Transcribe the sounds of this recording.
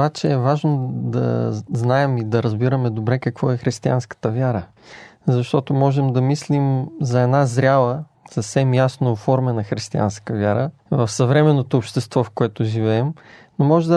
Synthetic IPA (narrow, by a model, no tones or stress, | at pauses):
bat͡ʃɛːvaʒnod̪ɐ̰znaɛmid̪ɐɾəzbiɾəmɛd̪obɾɛkəkvɔɛxɾist̪ia̰nskə̥t̪əvʲjaɾə | zɐʃt̪ɔt̪omɔʒɛmd̪ɐmislimzɐɛd̪nazɾʲalˠə | sɐfsɛmjasnoːfɔɾmɛnɐxɾist̪ia̰nskəvjaɾə | vəfsɐvɾɛmɛnːot̪oːpʃt̪ɛst̪vɔfkoɛt̪ʊʒivɛːmnomɔʒɛd̪ə